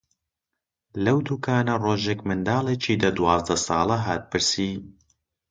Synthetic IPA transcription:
lɐwd̪uːkʰaːnɐroːʒekmɨnd̪aːlˠeːt͡ʃʰiːd̪ɐd̪wɑːzd̪ɐsɑːlˠɐɦaːt̪̚pʰɨɾsiː

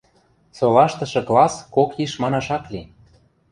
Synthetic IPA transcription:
solɑʃt̪ɤ̆ʃɤ̆klɑskokjiʃmɑnɑʃɑkli

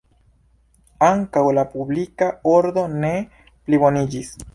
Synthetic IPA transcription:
aŋkawlapublikaoɾd̪o̞ne | pliβo̞nid͡ʒis

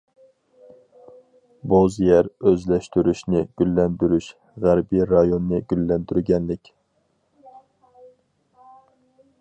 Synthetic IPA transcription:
bozjɛɾøzlɛʃt̪yɾyʃnɪɡ̥ʲylːɛnd̪yɾyʃ | ʁæɾbiɾɑjonːɨɡ̥ʲylːɛnd̪yɾɡʲɛnlɪkʲ

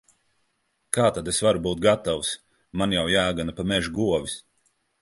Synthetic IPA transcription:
kaːt̪ad̪esvaɾubuːt̪̚ɡat̪aws | manjawjaːɡanapamɛʒuɡuɔvis

